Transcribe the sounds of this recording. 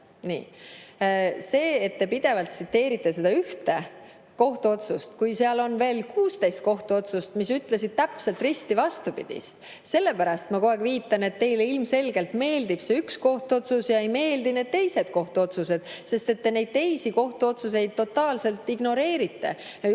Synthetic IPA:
nḭː | se̞ːet̪ːe̞pid̪̥e̞vɑlt̪sit̪ːe̞ːɾit̪ːˑe̞se̞d̪̥ɑyht̪e̞ | ko̞ht̪uo̞t̪sust̪kujseɑlo̞nve̞ːlkʰuːst̪ejst̪̚ko̞ht̪uo̞t̪sust̪misyt̪ˑlesid̪̥̚t̪æpse̞lt̪ˑrist̪ivɑst̪upḭd̥̪ḭst̪ | se̞lːe̞pæɾɑst̪mɑko̞eɡviːt̪ːˑɑne̞t̪ːe̞jleilmse̞lɡe̞lt̪me̞ːld̪ib̥seyksko̞ht̪uo̞t̪susjɑe̞jme̞ːld̪ine̞ːd̪̥̚t̪e̞jse̞d̪̥ko̞ht̪uo̞t̪suse̞d̪̥se̞st̪e̞t̪ːe̞ne̞jd̪̚t̪e̞jsiko̞ht̪uo̞t̪sus̬e̞jd̪̥̚t̪ːo̞t̪ːɑːlse̞lt̪ːˑiɡno̞ɾe̞ːɾit̪ːe̞̰jɑ

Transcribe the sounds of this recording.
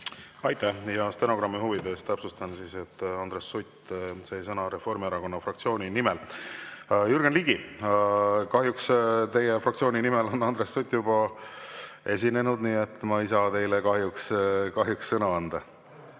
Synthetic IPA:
ɑjt̪ˑæhjɑst̪eno̞ɡ̥ɾɑmːiɦuvid̪e̞st̪æpsust̪ɑnsiːse̞t̪ːˑɑnd̪ɾesːut̪se̞sɤnɑɾe̞fo̞rmiɑɾɑko̞nːɑfrɑk̚t̪sio̞ːnʲinimel | jurɡ̥enliːɡi | kɑɦjukst̪e̞jefrɑkt̪sioːnʲinimelo̞nːɑnd̪̥ɾesːut̪ʲːˑjubɑ | e̞s̬ʲine̞nud̪niːe̞t̪ːˑmɑisɑt̪e̞jlekɑɦjukskɑɦjuksːɤnɑɑnd̪̥ɑ

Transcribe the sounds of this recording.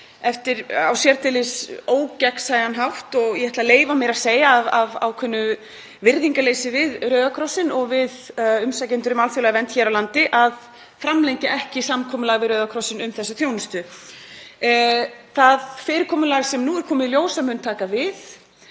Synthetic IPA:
ɛft̪ɪɾa̰wsjɛɾt̪ʰɪlɪsoːwcɛksaːjɣanɦawht̪ɔɣjɛhɛt̪laleːjvamɛɾaðseːjaːvava̰wkʰʏnːʏ | vɪɾðiŋkaleːjsɪvɪðɾœːðakʰɾɔsːɪnɔɣvɪðʏmsacent̪ʏɾʏmalθjowlaɣvɛnt̪çɛɾawlant̪ɪʔað | fɾamlejɲcɪʔɛhcɪsamkʰɔːmʏlaːɣvɪðɾœːðakʰɾɔsɪnʏmθɛsːʏθjownʏst̪ʏ | θaðfɪːɾɪɾkʰɔːmʏlaːɣsɛmnuːɛɾ̥kʰɔːmɪðljoːwsamʏnt̪ʰaːkavɪð

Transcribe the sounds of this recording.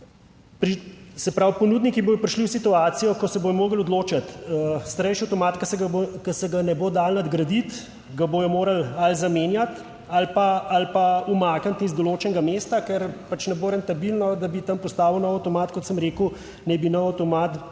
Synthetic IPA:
pɾisɛpɾawpɔnud̪nikiboːjɔpɾiʃliwsit̪uaːt̪sijɔkɔsɛbojɔmoːɡəlɔd̪loːt͡ʃat̪st̪ɐɾɛɪjʃiawt̪ɔmaːt̪kɐsɛɡkɐsɛɡanɛboːd̪aːlnad̪ɡɾɐd̪it̪ | ɡaboːjɔmoːɾɐlalzameːnjat̪ | alpaːlpaumaːkant̪izd̪oloːt͡ʃɛnɛɡamest̪akɛɾpat͡ʃnɛboːɾɛnt̪abilnɔd̪abit̪ɐmpɔst̪aːʋəwnɔwawt̪ɔmaːt̪kɔt̪səmɾeːkuw | nɛbinɔwawt̪ɔmaːt̪

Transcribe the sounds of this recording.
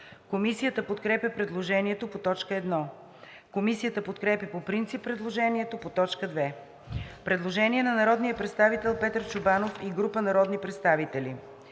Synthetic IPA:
komisijət̪əpot̪kɾɛpʲəpɾɛd̪lˠoʒɛniɛt̪opot̪ɔt͡ʃkəɛd̪nɔ | komisijət̪əpot̪kɾɛpʲjəpopɾint̪sipːɾɛd̪lˠoʒɛniɛt̪opot̪ɔt͡ʃkəd̪vɛ | pɾɛd̪lˠoʒɛniɛnɐnɐɾɔd̪nijəpɾɛt̪st̪avit̪ɛlˠpɛt̪əɾt͡ʃʊbanofiɡɾupənɐɾɔd̪nipɾɛt̪st̪avit̪ɛli

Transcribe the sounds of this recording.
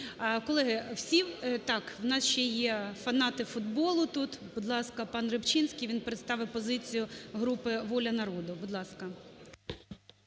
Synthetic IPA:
kɔlˠɛɦɪwsʲiwt̪ɑkwnɑsʃt͡ʃɛjɛfɐnɑt̪ɪfʊd̪bɔlˠʊt̪ut̪bʊd̪lˠɑskɐpɑnrɪpt͡ʃinsʲkʲijʋʲinpeɾet̪st̪ɑʋɪpɔzɪt͡sʲijʊɦɾupɪʋɔlʲɐnɐɾɔd̪ʊbʊd̪lˠɑskɐ

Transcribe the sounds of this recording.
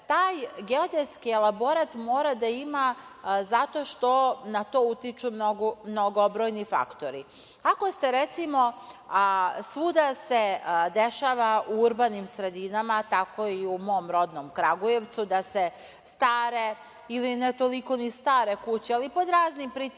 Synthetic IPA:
t̪aːjɡeod̪eskielˠabo̞ɾat̪mo̞ːɾad̪aima | zat̪o̞ʃt̪o̞nat̪o̞ːut̪it͡ʃumnoɡomno̞ɡobɾojnifa̰kt̪o̞ɾḭ | ako̞st̪eɾet̪simo̞ | sʋud̪ase̞d̪eʃaːʋauuɾbanimsɾe̞d̪inamat̪ako̞iumo̞mɾo̞d̪no̞mkɾaɡuje̞ʋt̪sud̪ase̞ | st̪aːɾe̞ | ilinet̪o̞liko̞nist̪aːɾe̞kut͡ɕealipo̞d̪ɾaːznimpɾit̪

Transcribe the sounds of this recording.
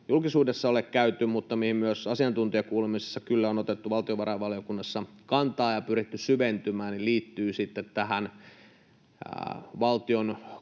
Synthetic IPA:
julkisuːdesːɑolekkæyt̪ːymut̪ːɑmihimmyøsɑsiɑnt̪unt̪iɑkuːlemisesːɑkylːæonot̪et̪ːuʋɑlt̪ioʋɑɾʔɑʋɑlijokunːɑsːɑkɑnt̪ɑːjɑpyrit̪ːysyʋent̪ymæːnniliːt̪ːyːsit̪ːet̪t̪æhæn | ʋɑlt̪ion

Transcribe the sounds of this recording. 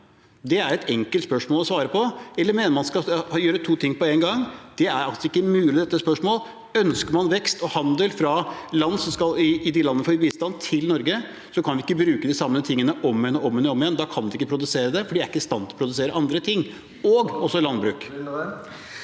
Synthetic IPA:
d̪ɛæɾɛt̪ʰɛŋkəlt̪spœʂmoːlˠɔsʋɑːɾəpʰɔɛlːəɾmeːnəɾmɑnskɑjøːɾət̪ʰuːt̪ʰɪŋːpʰɔeːŋɡɑŋd̪̥ɛæɾɑk̪ɪkːəmʉːlɪd̪ɛt̪ːəspœʂmoːl | œnskəɾmɑnʋɛkst̪ɔhɑnd̪əlfɾɑlɑnːsɔmskɑlɪɪd̪ɪlɑnːəfɔɾbiːst̪ɑnt̪ʰɪlnɔɾɡə | sɔkʰɑnʋɪɪkːəbɾʉːkəd̪ɪsɑmːət̪ʰɪŋːənəʔɔmːɛnːɔɔmɛnəɔmːɪjɛnd̪ɑːkʰɑnd̪ɛɪkːəpʰɾʊd̪ʉseːɾəd̪ɛfɔɖidæɾɪkːəst̪ɑnt̪ʰɔ̥pʰɾʊd̪ʉseːɾəʔɑnd̪ɾət̪ʰɪŋː | ɔɡɔsːɔlɑnbɾʉːk

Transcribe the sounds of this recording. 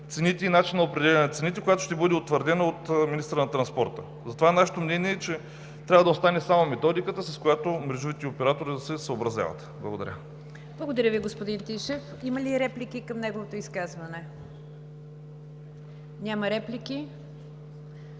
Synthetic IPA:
t̪sɛnit̪ɛinat͡ʃinːɐopɾɛd̪ʲɛlʲɛnɛt̪sɛnit̪ɛkojat̪o̥ʃt̪ɛbɤd̪ɛot̪vəɾd̪ɛnɐot̪minist̪əɾənɐt̪ɾɐnspɔɾt̪ə̰ | zɐt̪ovanaʃɛ̥t̪omnɛniɛt͡ʃɛ | t̪ɾʲavɐəd̪ɐost̪anɛsamomɛt̪ɔd̪ikət̪əsɐskʊjat̪omɾɛʒuvit̪ɛopɛɾat̪oɾid̪ɐsɛsəobɾɐzʲja̰vɐ̰t̪blˠɐɡod̪ɐ̰ɾʲə̰ | blˠɐɡod̪ɐɾʲəviɡospod̪int̪iʃɛf | imɐliɾɛplikikɐmnɛɡovot̪oiskazvɐnɛ | nʲamɐɾɛpliki

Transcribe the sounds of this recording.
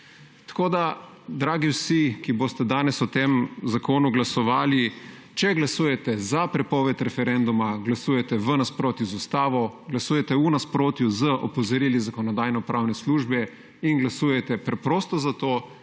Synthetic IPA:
t̪ḁkoːd̪a | d̪ɾaːɡiwsikiboːst̪ɛd̪aːnɛsut̪emzakoːnuɡlasɔʋaːli | t͡ʃɛɡlasuːjɛt̪ɛzapɾɛpɔːʋɛt̪ɾɛfɛɾɛnd̪umaɡlasuːjɛt̪ɛʋənaspɾoːt̪juzust̪aːʋɔɡlasuːjɛt̪ɛunaspɾoːt̪juzəʔɔpɔzɔɾilizakɔnɔd̪aːjnɔpɾʔawnɛsluːʒbɛ | inɡlasuːjɛt̪ɛpɾɛpɾoːst̪ɔzat̪oː

